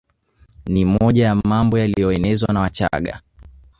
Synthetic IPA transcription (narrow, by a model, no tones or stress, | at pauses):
nimɔʄajamambɔjalijɔɛnɛzwanawat͡ʃa̰ɠa̰